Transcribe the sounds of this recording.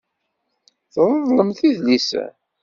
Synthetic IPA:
θəðˤəðˤləmθiðlisæ̰

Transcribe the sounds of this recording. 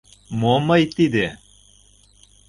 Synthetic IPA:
momɤjt̪id̪e

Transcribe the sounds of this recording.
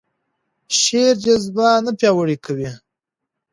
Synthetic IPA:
ʃeɾd͡ʒazbanapjɑwəɽikʰawi

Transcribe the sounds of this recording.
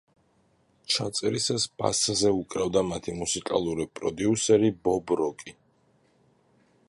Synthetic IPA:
t͡ʃʰat̪sʼɛɾisasb̥a̰szɛukʼɾɛvd̪amat̪ʰimusikʼa̰lˠuɾipʼɾɔ̰d̪iusɛɾibɔbɾɔkʼi

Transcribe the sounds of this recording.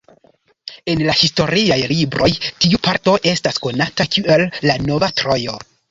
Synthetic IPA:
e̞nlahisto̞ɾiajlibɾʔo̞jtiupaɾto̞ʔe̞stasko̞natakie̞lːano̞vatɾo̞jo̞

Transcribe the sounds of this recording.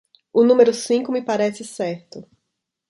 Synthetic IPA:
ʊnũmeɾʊsĩŋkʊmɪpaɾɛsɪsɛɾt̪ʊ

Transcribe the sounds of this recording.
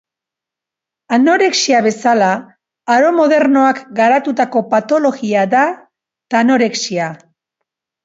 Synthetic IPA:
ano̞ɾe̞ksiaβe̞salaː | ɾo̞mo̞ðe̞ɾno̞akɡaɾat̪ut̪ako̞pat̪o̞lo̞ɣiaða | t̪ano̞ɾe̞ksia

